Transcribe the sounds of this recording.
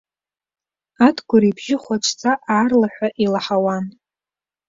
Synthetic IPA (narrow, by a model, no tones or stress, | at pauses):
atʰɡʷʊɾibʒɪχʷat͡ʃʷʰt͡sʰʼaʔaːrlaħʷᶣaʔilaħawan